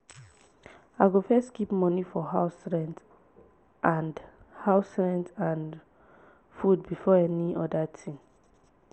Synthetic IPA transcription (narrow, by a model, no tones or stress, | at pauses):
aɡofɛstkipmɔnifɔɦaʊsɹɛ̃nd | ʔãnd | haʊsɹɛ̃ndãn | fudbifɔɛniɔdatʰĩm